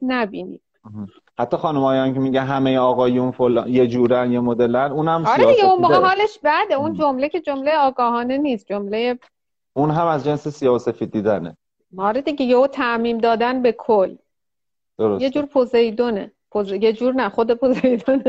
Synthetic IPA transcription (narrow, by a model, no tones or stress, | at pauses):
næbiːnḭːd̥̩h̩ | hæt̪ʰːɒːxɒːnumɒːjɒncʰemiɟænɦæmejeɒːɣɒːjunfolːnjed͡ʒuːɾænjemod̪e̞lænuːnhæmsɒːɾed̪iɡeunmoɣeɦɒːle̞ʃbæd̪eund͡ʒomlecʰe̞d͡ʒo̞mlejeɒːɡɒːɦɒːne̞niːsd͡ʒomleje | ʔunɦæmæzd͡ʒensesijɒːhose̞fiːd̪̚ːiːd̪æne | hɒːɾed̪iɟeɟeoːt̪ʰæmiːmd̪ɒːd̪ænbe̞kʰolː | d̪̥oɾosjed͡ʒuːɾpʰozejd̪one | pʰozejed͡ʒuːɾnæχod̪epʰozejd̪one